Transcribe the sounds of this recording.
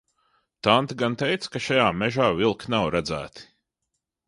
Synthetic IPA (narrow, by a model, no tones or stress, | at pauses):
t̪ant̪iɡant̪ɛjt̪skaʃajaːmɛʒaːvilˠknawɾad̪zæ̰ːt̪i̥